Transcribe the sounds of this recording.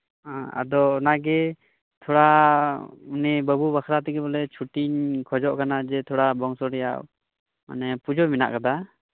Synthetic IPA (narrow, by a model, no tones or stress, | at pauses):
aa̰d̪ɔːnaɡɛ | t̪ʰɔɽa | unɛbəbubakʰɾat̪ɛkɛbɔlɛt͡ʃʰuʈiɲkʰɔd͡ʒɔʔkanad͡ʒɛt̪ʰɔɽabɔŋsɔɾɛja̰ʔ | ma̰nɛpud͡ʒɔmina̰ʔkad̪a